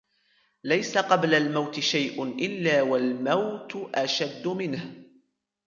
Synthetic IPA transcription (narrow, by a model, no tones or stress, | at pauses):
lajsaqɑblalmawt̪ɪʃajʔʊʔɪlːaːwalmawt̪ʔaʃad̪ːʊmɪnh